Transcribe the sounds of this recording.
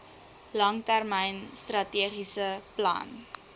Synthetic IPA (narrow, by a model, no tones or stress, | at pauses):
lɐŋtærmɛjnstrɐtiəχisəplɐ̰n